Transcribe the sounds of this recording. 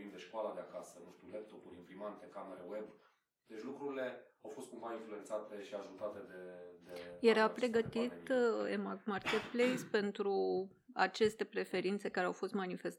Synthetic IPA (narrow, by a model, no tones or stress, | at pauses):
vind̪eʃkoalad̪eakasənuʃt̪ulep̚t̪o̞puɾʲimpɾimant̪e̞kameɾewe̞b | d̪̥e̞t͡ʃʲlukɾuɾile̞awfo̞st̪kumainflue̞nt̪sat̪e̞ʃiaʒut̪at̪e̞d̪ed̪eje̞ɾapɾe̞ɡət̪it̪emakmarket̪̚plejspe̞nt̪ɾu | a̰t͡ʃe̞st̪e̞pɾe̞fe̞ɾint̪sekaɾeawfo̞st̪manife̞st̪